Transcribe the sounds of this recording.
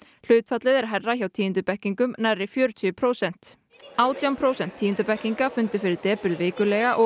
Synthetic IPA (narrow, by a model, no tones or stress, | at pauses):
l̥ʏːt̪fat̪lɪðɛɾ̥ɦɛrːaçawt̪ʰiːɪnt̪ʏpɛhciŋkʏmnajrːɪfjœːɾʏt̪ʰʏʏpʰɾoːwsɛn̥t̪ | aːwt̪jawmpʰɾowsɛn̥t̪ʰːiːɪnt̪ʏpɛhciŋkafʏnt̪ʏ̥fɪɾɪɾt̪ɛːpʏɾðvɪːkʏlɛɣaʔɔ